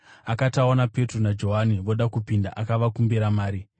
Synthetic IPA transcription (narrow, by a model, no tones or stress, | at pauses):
akataonape̞tronad͡ʒo̞ɦaniʋo̞ɗakupindaʔakaʋakumbiɾamaːɾi